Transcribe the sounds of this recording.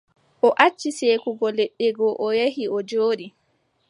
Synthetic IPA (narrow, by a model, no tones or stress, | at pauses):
ʔɔʔat͡ʃːiseːkuɡɔleɗːɛɡɔʔɔjehiɔd͡ʒoːɗi